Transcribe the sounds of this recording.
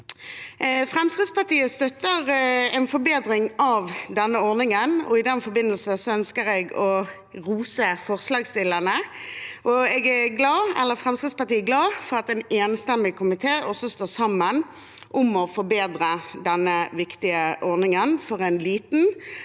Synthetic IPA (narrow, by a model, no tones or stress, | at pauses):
fʁɛmskɪd̪spɑʁt̪iːəst̪œt̪ːəɾɛnfɔɾbeːd̪ɾɪŋɑʋd̪ɛnːəɔɾnɪŋənɔ̰ɪd̪ɛnfɔbɪnːəlsəsɔœnskəɾɛɡɔ | ʁuːsəfɔʁslɑːɡst̪ɪlːənəʔɔɛɡæɡlɑːɛ̰lːəɾfʁɛmskɾɪd̪spɑʈ̪iːɡlɑːfɔʁɑt̪ɛneːnst̪ɛmɪkʰʊmɪt̪ʰeːʔɔsːɔst̪oːsɑmːən | ʔʊmɔfɔɾbeːd̪ɾəd̪ɛnːəʋɪkt̪ɪəʔɔɾnɪŋənfɔʁɛnliːt̪n̩